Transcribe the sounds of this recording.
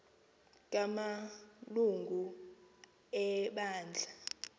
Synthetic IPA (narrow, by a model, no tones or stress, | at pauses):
k̬ʼamaluŋɡʱu | ɛɓaːnd͡ɮʱa